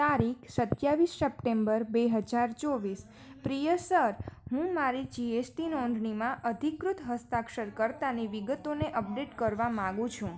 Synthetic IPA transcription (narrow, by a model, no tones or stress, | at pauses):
t̪aɾikʰsət̪jaʋisːəp̚ʈembəɾbeɦəd͡ʒaɾt͡ʃoʋis | pɾijəsəɾɦũmaɾid͡ʒiesʈinɔɳɖʱɳimãʔəd̪ʱikɾut̪ɦəst̪akʃəɾkəɾt̪aniʋiɡət̪oneʔəp̚ɖeʈkəɾʋamãɡũt͡ʃʰũ